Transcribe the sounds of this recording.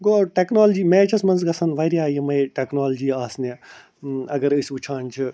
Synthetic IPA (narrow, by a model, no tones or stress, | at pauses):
ɡoːʈeːknoːld͡ʒiːmẽːt͡ʃʰɐsmɐnzɡɐsɐnʋɐɾiaːjɐmɐjʈeknoːld͡ʒiːaːsne | ɐɡɐɾɨsʲut͡ʃʰaːnt͡ʃʰi